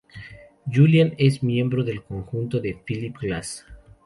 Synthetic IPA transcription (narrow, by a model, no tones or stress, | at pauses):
d͡ʒuljane̞smjẽ̞mbɾo̞ðe̞lkoŋxunt̪o̞ðe̞filipklas